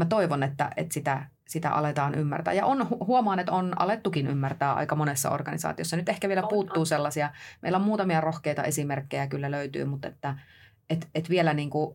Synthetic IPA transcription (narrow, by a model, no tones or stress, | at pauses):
mæt̪oiʋonet̪ːæ̰ʔḛt̪sit̪æ | sit̪æ̰ʔɑ̰let̪ɑːnʔymːæ̰rt̪æ̰ːjɑ̰ʔonhuhuɑmɑːnet̪onɑ̰let̪ːukiny̰mːært̪æːʔɑ̰ikɑmonesːɑ̰o̰rɡɑnisɑ̰ːt̪iosːɑnyt̪ehkæʋielæpuːt̪ːuːselːɑsiɑmḛilːæommuːt̪ɑmiɑrohkeit̪ɑ̰ʔesimerkːejækylːæløyt̪y̰ːmut̪ḛt̪ːæ | et̪et̪ʋielæniːŋku